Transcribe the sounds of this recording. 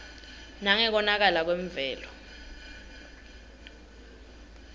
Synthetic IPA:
naŋɛk̬ɔnak̬alak̬wɛɱb̪vɛːlɔ

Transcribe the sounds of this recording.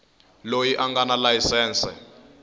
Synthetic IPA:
lojiʔaŋɡanalajisɛːnsɛ

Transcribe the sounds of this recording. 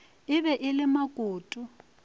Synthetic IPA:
ɪβɛʔɪlɪmakʼoːtʼʊ

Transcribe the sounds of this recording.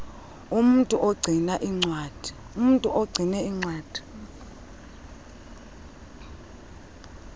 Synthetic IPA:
umuntʼuʔɔɡ͡ǀʱinaʔiŋ͡ǀwaːd̥ʱi | um̩ntʼuʔɔɡ͡ǀʱinɛiŋ͡ǀwaːd̥ʱi̥

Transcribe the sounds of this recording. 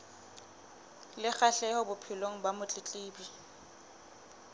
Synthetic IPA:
lɪk͡xaɬɛhʊbʊpʰɪloŋ̩bamʊt͡ɬʼɪt͡ɬʼiːbi

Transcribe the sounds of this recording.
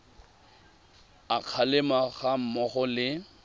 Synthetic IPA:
aq͡χʰalɪmaɣam̩mɔχɔlɪ

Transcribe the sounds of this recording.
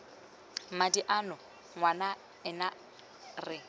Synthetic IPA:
madiʔanʊ | ŋwana | ɪna | rɪ

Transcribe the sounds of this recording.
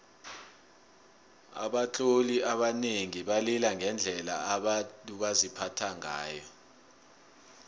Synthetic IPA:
a̰ɓat͡ɬʰʼoliaɓaneŋiɓalilaŋʱɛnd͡ɮʱɛla̰aɓatʼuɓazipʰatʰaŋa̰ːjɔ

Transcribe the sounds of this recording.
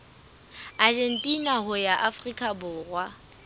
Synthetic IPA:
ad͡ʒen̩tʼinahʊjaʔafrikʼabʊːrwa

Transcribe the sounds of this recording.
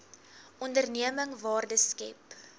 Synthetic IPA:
ɔndərniəməŋvɑːrdəskɛ̰p

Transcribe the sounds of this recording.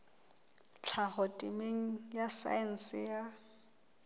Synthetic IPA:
t͡ɬʰahɔtʼɪmeŋ̩jasa̰ɛn̩sɪja

